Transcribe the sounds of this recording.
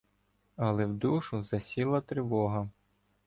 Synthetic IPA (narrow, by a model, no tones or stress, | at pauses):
ɐlˠɛwd̪uʃʊzɐsʲilˠɐt̪ɾɪʋɔɦɐ